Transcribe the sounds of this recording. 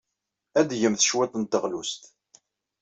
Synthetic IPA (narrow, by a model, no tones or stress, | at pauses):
æd̪ʝəmθəʃwæt̪ˤənt̪əʁlust̪